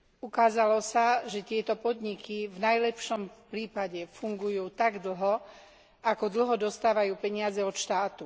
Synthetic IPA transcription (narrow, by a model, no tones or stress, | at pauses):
ukaːzalɔsaʒɛt̪ɪɛt̪ɔpɔd̪ɲikivnajlɛpʃɔmpɾiːpaɟɛfuŋɡujuːt̪aɡd̪l̩ɦɔ | ʔakɔd̪l̩ɦɔd̪ɔst̪aːʋajuːpɛɲɪazɛɔt̪ʃt̪aːt̪u